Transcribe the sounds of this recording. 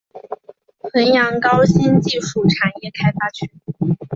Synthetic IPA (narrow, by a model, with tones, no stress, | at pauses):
xə˧˥njɑ˧˥ŋkɑ˥ʊɕi˥nt͡ɕi˥˧ʂu˥˩ʈ͡ʂʰa˨˩njɛ˥˩kʰa˥ɪfa˥t͡ɕʰy˥˩